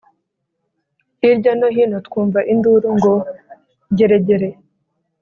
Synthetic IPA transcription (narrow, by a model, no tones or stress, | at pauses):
iɾɟanoɦiːnotkuːɱvaʔinduɾuŋɡo | ɟeɾeɟeɾe